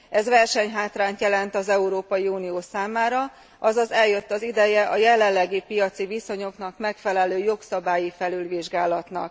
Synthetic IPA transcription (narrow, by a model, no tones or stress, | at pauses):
ɛzvɛrʃɛɲɦaːt̪raːnt̪jɛlɛnt̪ɒzɛuɾoːpɒjiuːnijoːsaːmaːɾɒ | ɒzɒzɛljø̞t̪ːɒzid̪ɛjɛʔɒjɛlɛlːɛɡipijɒt̪siviso̞ɲo̞kn̪ɒkmɛkfɛlɛløːjo̞ksɒbaːjifɛlylʋiʒɡaːlɒt̪nɒ̰k̚